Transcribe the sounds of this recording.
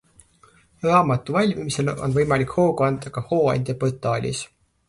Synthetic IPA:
rɑːmɑt̪ːˑuvɑlʲmimise̞lo̰nvɤjmɑlikho̞ːɡuɑnd̪̥ɑkɑho̞ːɑ̰nʲd̪̥ʲjɑpot̪ːˑɑːlʲḭs

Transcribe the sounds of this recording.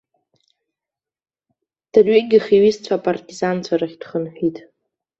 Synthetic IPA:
d̥arɥeɡʲɪχiɥizt͡ɕʷʰaːpʼartʲʼizant͡sʷʰaɾaχʲd̥χənħʷᶣitʼ

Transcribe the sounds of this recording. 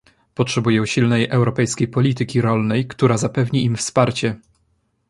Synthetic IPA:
pɔtʂɛbujɛ̃ɕilnɛjʔɛwɾɔpɛjskʲejpɔlʲit̪ɘkʲiɾɔlnɛjkt̪uɾazapɛvɲiimfspaɾt͡ɕɛ

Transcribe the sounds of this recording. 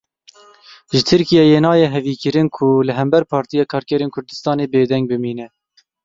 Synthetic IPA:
ʒɨt̪ʰɨɾkijɛjeːnɑːjɛɦɛviːkɨɾɨnkʰulɨɦɛmbɛɾpʰɑːɾt̪ijɑːkʰɑːɾkʲɛɾeːnkʰʊɾd̪ɨst̪ɑːneːbeːd̪ɛŋɡ̚bɨmiːnɛ

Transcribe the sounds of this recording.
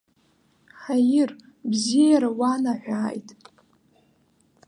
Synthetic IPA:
ħajɪr | bzijaɾawanaħʷᶣaːjtʼ

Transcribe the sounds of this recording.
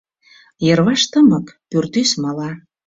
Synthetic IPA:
jə̆rβɑʃt̪əməkpyrt̪ysməlɑ

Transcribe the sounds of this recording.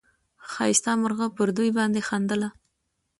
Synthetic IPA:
xɑjɪst̪ɑməɾɣəpəɾd̪ujbɑnd̪exɑnd̪əla

